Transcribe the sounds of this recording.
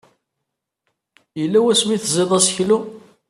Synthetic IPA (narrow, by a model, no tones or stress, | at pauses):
jəlːæwæsmiθzˤeðˤæsçlu